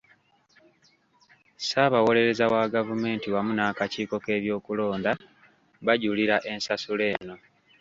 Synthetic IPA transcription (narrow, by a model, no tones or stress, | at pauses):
saːβawo̞le̞ɾe̞zawaɡavume̞ːntiwamunakaciːko̞ke̞ːβjo̞ːkulo̞ːnda | βaɟuliɾaʔe̞nsasule̞ːno̞